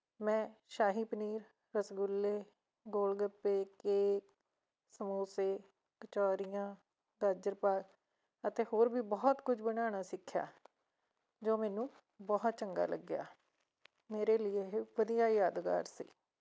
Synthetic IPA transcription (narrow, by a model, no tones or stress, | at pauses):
mɛ̃ːʃaːɦiːpəniːɾ | ɾəsɡʊlːeː | ɡoːlɡəpːeːkeːk | səmoːseː | kət͡ʃaːɾɪjãː | ɡ̪aːɾd͡ʒəɾpaːɡ | ət̪eːhoːɾbiːbɔːt̪kʊd͡ʒbənaːɳ̃aːsɪkʰːja̰ː | d͡ʒoːmɛːnũː | bɔːt̪̚t͡ʃəŋɡa̰ːlə̰ɡɪja̰ː | meːɾeːlɪeːʋəd̪ijaːjaːd̪ka̰ːɾsḭː